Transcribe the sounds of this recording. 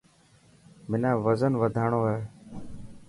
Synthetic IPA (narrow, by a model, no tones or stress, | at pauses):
mɪnãːʋəzənʋəd̪ʱaːɳoːɦɛː